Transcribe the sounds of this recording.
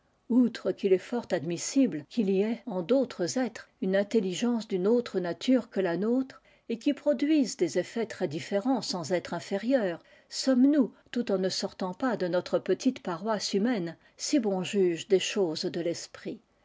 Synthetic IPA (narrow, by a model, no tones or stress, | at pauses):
ut̪χəkʲilɛfɔʁt̪ad̪misiblkʲiliɛɑ̃d̪ot̪χəzɛt̪χ | ynɛ̃t̪eliʒɑ̃sd̪ynot̪χənat̪ʰyʁkəlanot̪χ | ekʲipχɔd̪ɥizd̪ezefɛt̪χɛd̪ifeʁɑ̃sɑ̃zɛt̪χɛ̃feʁjœːʁ | sɔmnut̪ut̪ɑ̃nəsɔʁt̪ɑ̃pad̪ənɔt̪χəpət̪ʰit̪paʁwasymɛn | sibɔ̃ʒyʒd̪eʃozd̪əlɛspχi